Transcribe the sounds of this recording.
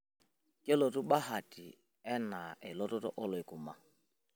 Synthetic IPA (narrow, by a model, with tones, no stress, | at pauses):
ke˦lo˨tu˦ɓa˦ɦa˨ti˨ | ɛ˦na˨e˨lɔ˦tɔ˦tɔ̰˦ʔɔ˦lʊ˨ɪ˨kʊ˨ma˨